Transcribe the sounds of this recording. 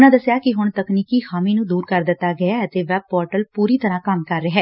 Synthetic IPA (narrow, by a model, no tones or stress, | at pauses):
nãːd̪əsɪjaːkɪɦʊɳt̪əkniːkiːxaːmĩːnũːd̪uːɾkəɾd̪ɪt̪ːaːɡəjaːət̪eːʋɛːb̚pɔːɾʈəlpuːɾiːt̪əɾãːkəmkəɾːəɦɛː